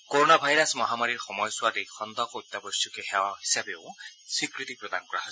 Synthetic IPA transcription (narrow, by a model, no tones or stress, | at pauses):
koɹonabʱajɾasmɔɦamaɹiɹxɔmɔjswad̪ixɔnd̪ʱɔkɔjt̪ːabɔsɔkexewahi̥sabeʊsikɹit̪ik̚pɹɔd̪ankɔɾa̰ɦoj